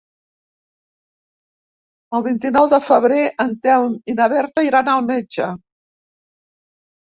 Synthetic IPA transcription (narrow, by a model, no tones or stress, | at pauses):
əlˠβint̪inɔwðəfəβɾeʔənt̪ɛwminəβɛɾt̪əiɾanalˠmɛd͡ʒə